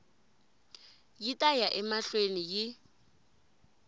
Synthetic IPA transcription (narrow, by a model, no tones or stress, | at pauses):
jitʼajaʔɛmaɬwenijɪ